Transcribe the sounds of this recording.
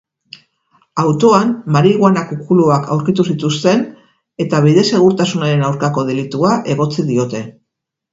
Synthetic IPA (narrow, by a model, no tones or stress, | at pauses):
awt̪o̞ammaɾiɣwanakukuluakʰa̰wɾkit̪usit̪ust̪e̞n | e̞t̪aβ̞iðe̞se̞ɣ̞uɾt̪asunaɾe̞nawɾkako̞ð̞e̞lit̪uaʔe̞ɣo̞t͡siðio̞t̪e̞